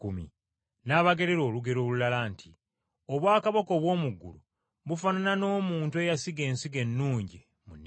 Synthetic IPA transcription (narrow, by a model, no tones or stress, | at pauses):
kumḭ | naːβaɡe̞ɾe̞ɾo̞ːluɡe̞ɾo̞ːlulalaːntʰi | o̞βwaːkaβako̞ːβwo̞ːmuɡːulu | βufananano̞ːmuːntue̞jasiɡe̞ːnsiɡe̞nːuːɲɟi | munː